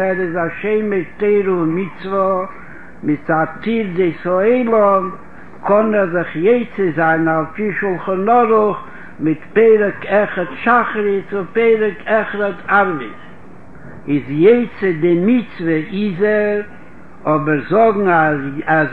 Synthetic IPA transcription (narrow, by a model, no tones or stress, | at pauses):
ɛɾɪzaʃeɪmɪteɪɾʊmɪt͡svɔ | mɪt͡satiɾdɪsɔeɪlˠɔm | kʰɔnɛɾzɪχjeɪt͡səzaɪnalpiʃulˠχɔnɔɾʊχ | mɪtpeɪɾəkɛχətʃaχɾɪsʊpeɪɾəkʰɛχɾətʰaɾvɪ̰s | ɪzjeɪt͡sədɪmɪt͡svəʔɪizəɾ | ɔbəɾzɔɡŋ̩aaz